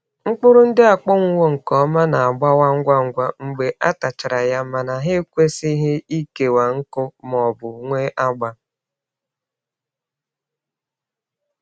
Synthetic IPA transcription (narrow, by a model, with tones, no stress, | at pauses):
ŋ͡m̩˦k͡pʊ˦ɾʊ˦n̩˦dɪ˦a˨k͡pɔ˦ŋʷu˦wo˦ŋ̩˨kɔ˨˦ma˦na˨a˨ɡ͡ba˦wa˦ŋ̩˦ɡʷa˦ŋ̩˦ɡʷa˦ŋ͡m̩˦ɡ͡be˨ʔa˦ta˨t͡ʃa˨ɾa˨ja˦ma˨na˨ɦɪ˦kʷe˦si˦ɦe˦i˦ke˨wa˨ŋ̩˦kʊ˦mɔ˨bʊ˨ŋʷe˦ʔa˦ɡ͡ba˦